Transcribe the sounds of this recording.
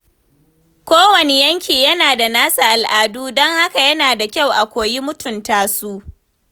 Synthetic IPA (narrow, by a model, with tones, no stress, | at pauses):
kʷoː˦wɐ˨ne˦jɐ˦ŋkʲiː˨jɐ˦naː˨da˨naː˦sa˨ʔa˨lʔaː˨duː˦dɔ˦ŋha˦ka˨jɐ˦naː˨da˨kʲa˦˨wʔa˨kʷoː˨ji˦mʊ˦tʊ˨ntaː˦su˦ʔ